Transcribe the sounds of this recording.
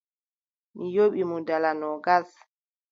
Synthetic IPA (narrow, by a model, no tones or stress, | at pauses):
mijoɓimudalanɔɡas